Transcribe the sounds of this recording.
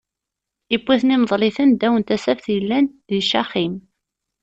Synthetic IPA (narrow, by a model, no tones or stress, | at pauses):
ibːiθnimðˤlɪθənd̪æwənt̪æsæfθjəlːænðiʃæχim